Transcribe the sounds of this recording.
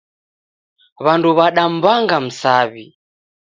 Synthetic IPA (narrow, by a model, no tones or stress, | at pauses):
βanduβaɗam̩baŋɡam̩saβi